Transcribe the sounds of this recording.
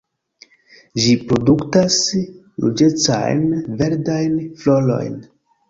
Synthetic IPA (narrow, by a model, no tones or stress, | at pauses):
ʒipɾo̞duktas | lṵd͡ʒet͡sa̰jnve̞ɾdajnflolo̞̰jn